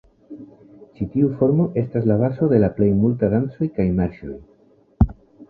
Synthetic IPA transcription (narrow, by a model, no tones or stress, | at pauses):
t͡ʃitiufo̞ɾmo̞ʔe̞staslaβaso̞ðe̞laple̞jmultadant͡so̞jkajmaɾʃo̰j